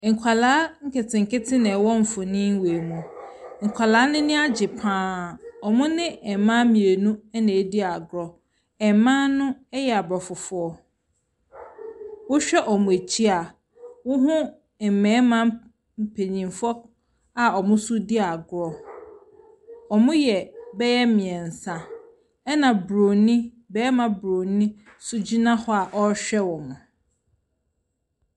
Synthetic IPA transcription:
ŋ̩˨kʷʰa˨laː˨˦ŋ̩˦kʰɪ˨tʰɪ̃˨ŋ̩˨kɪ˦tʰɪ˦nɛ̃˨wɔ̃˦ɱ̩˨fʊ̃˨nɪ̃˦n˦we˨mũ˨ŋ̩˨kʷʰa˨laː˨˦nɪ̃˦nɪ̃˦a˦d͡ʑɪ˨pʰãː˨˦˨ɔ˨mʊ̃˦nɪ̃˦ɛ˨mã˦mĩ˨e˨nũ˦ɛ˦nɛ̃˨˦di˦a˨ɡɾɔ˨ | ɛ˨mã˦nʊ̃˦ɛ˦jɛ˨a˨bɾɔ˨fʊ˨fʊ˦ɔ˨ | wʊ˦ɕᶣɛ˦ʔɔ˨mʊ̃˨e˨t͡ɕʰi˦a˨ | wʊ˦ɦʊ̃˦˨ | mɛ̃˨˦mã˦ | m̩˨pʰe˨ɲĩ˨mfɔ˦ | a˨ɔ˨mʊ̃˦sʊ˦di˦a˨ɡʊ˦ɔ˨ | ɔ˨mʊ̃˦jɛ˨bɛ˦jɛ˦mɪ̃˨ɛ̃˨n̩˨sã˨ | ɛ˦nã˨bɾo˨nĩ˦ | bɛ˦mã˨bɾo˨nĩ˦ | sʊ˦d͡ʑi˦nã˦hɔ˦a˨ʔɔ˦ɕᶣɛ˦wɔ̃˨mʊ̃˨

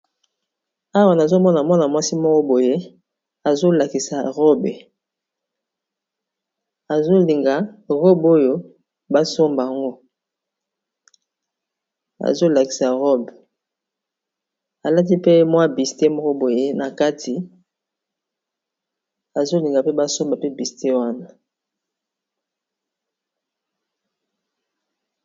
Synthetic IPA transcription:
a˦wa˨n˨a˨zo˦mɔ˦na˨mwa˦na˨mwa˦si˦mɔ˦kɔ˦bo˨je˦ | a˨zo˦la˨ki˨sa˨ʁɔ˦be˨ | a˨zo˦li˨ŋɡa˨ʁɔ˦bo˦jo˦ | ba˦so˦mba˨a˨ŋɡo˦ | a̰˨zo˦la˨ki̥˨sa˨ʁɔ˦b | a˨la˦t̬i˦pe˦mwa˦bi˨ste˦mo˦ko˦bo˨e˦na˨ka˦tʰi˨ | a˨zo˦li˨ŋɡa˨pe˦ba˦so˦mba˨pe˦bi˨ste˦wa˦na˨

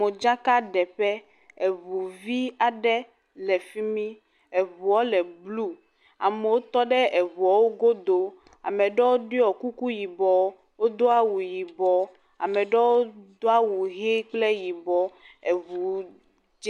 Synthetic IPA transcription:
e˨d͡ʒa˦ka˦ɖɛ˨ɸɛ˦ | e˨vu˨vi˦a˨ɖɛ˦ | lɛ˨fi˦mĩ˦ | ɛ˨vu˨ɔ˦lɛ˨blu˦ | a̰˨me˨wo˦t̪ɔ˦ɖɛ˦ʔe˨vu˨ɔ˨wo˦ɡo˦d̪o˦ | a̰˨mɛ˨ɖɔ˦wo˦ɖi˦ɔ˨ku˦ku˦ji˨bɔ˨˦ | wo˦d̪o˦a˦wu˨ji˨bɔ˨ | a̰˨mɛ˨ɖɛ˦wo˦d̪o˦a˦wu˨ɦe˦k͡ple˦ji˨bɔ˨ | e˨vu˨ | d͡ʒ

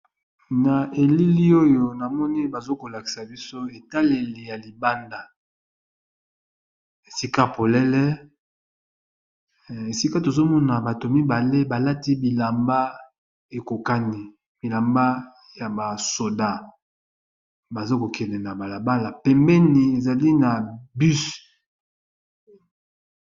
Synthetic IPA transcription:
na˨ʔe˨li˦li˦o˦jo˦na˨mɔ˦ni˦ba˨zo˦ko˨la˨ki̥˨sa˨bi˦so˦e˨ta˦le˨le˨ja˨li˨ba˦nda˨ | e˨si˦ka˦po˨lɛ˦lɛ˦ | e˨si˦ka˦to˨zo˦mɔ˦na˨ba˨to˨mi˦ba˨le˦ba˨la˦ti˦bi˨la˨mba˦ | e˨ko˨ka˦ni˨ | bi˨la˨mba˦ | ja˨ba˨so˨da˦ | ba˨zo˦ko˨kɛ˨nɛ˨na˨ba˨la˨ba˦la˨pɛ˨mbɛ˦ni˨e˨za˨li˦na˨by˦s

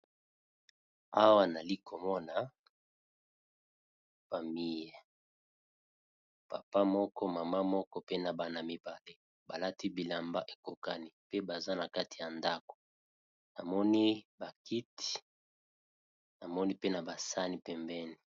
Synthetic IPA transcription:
a˦wa˦na˨li˦ko˨mɔ˦na˨ | fa˨mi˦ja˨ | pa˨pa˦mɔ˦kɔ˦ma˨ma˦mɔ˦kɔ˦pe˦na˨ba˨na˨mi˨ba˨le˦ | ba˨la˦ti˦bi˨la˨mba˦ʔe˨ko˨ka˦ni˦pe˦ba˨za˦na˨ka˦ti˨ja˨nda˦ko̥˨ | na˨mɔ˦ni˦ba˨ki˦ti̥˨ | na˨mɔ˦ni˦pe˦na˨ba˨sa˦ni˦pɛ˨mbɛ˦ni˨

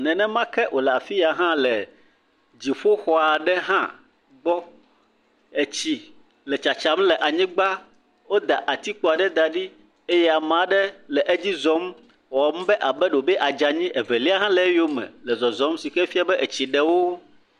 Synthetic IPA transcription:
nɛ̃˨nɛ̃˦mã˦kɛ˦ʔo˨lɛ˨a˨fi˦ja˨ɦã˦lɛ˨ | d͡ʑi˨ɸo˦xɔ˦a˨ɖɛ˦ɦã̰˦ | ɡ͡bɔ˦ | e˨t͡ɕi˨ | lɛ˨t͡ʃa˨t͡ʃa˨˦mlɛ˨ʔa˨ɲĩ˦ɡ͡ba˦ | wo˦d̪a˨ʔa˨t̪i˦k͡po˨a˨ɖɛ˦d̪a˨ɖi˦ | e˦jɛ˦a˨m˨a˨ɖɛ˦lɛ˨ʔe˦d͡ʑi˦zɔ˨˦m | wɔ˨˦m˦bɛ˦ʔa˨bɛ˦ɖo˨bɛ˦ʔa˨d͡ʒa˨ɲĩ˦ʔɛ˨vɛ˨li˦a˦ɦã˦lɛ˨˦jo˦mɛ̰̃˨lɛ˨zɔ˨zɔ̃˨˦m˦si˨kɛ˦fi˦a˦bɛ˦ʔe˨t͡ɕi˨ɖɛ˨wo˦

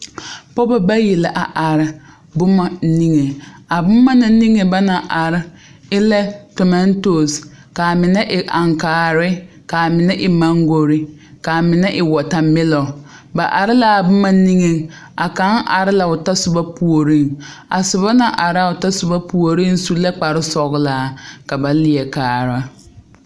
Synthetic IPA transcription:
pɔ˦ba˦ba˦je˨lɪ˨ʔa˨ʔa˨ɾɪ˦ | bʊ˦ma˨˦ni˦ŋe˨a˨bʊ˦ma˦na˨˦ni˦ŋe˨ba˦na˨ʔa˨ɾɪ˦ | ɪ˦lɛ˦tɔ˨mɛ˦n˦to˨s | ka˨mɪ˨nɛ˦ʔɪ˨ʔa˨ŋkaː˨ɾɪ˦ | ka˨mɪ˨nɛ˦ʔɪ˨ma˦ŋɡo˨ɾɪ˦ | ka˨mɪ˨nɛ˦ʔɪ˨wɔ˨ta˨mɪ˦lɔ˨ | ba˨ʔa˨ɾɪ˦la˦a˨bʊ˦mːa˦ni˦ŋe˨ŋ | a˨ka˨˦ŋʔa̰˨ɾɪ˦la˨ʊ˨ta˦sʊ˨ba˦pu˨o˨ɾi˦˨ŋ | a˨sʊ˨βa˦na˨ʔa˨ɾa˦˨ʊ˨ta˦sʊ˨ba˦pu˨o˨ɾi˦n˦su˦la˦k͡pa˨ɾɪ˦sɔ˨ɣlaː˨˦ka˨ba˨lɪ˨jɛ˨kaː˨ɾa˦

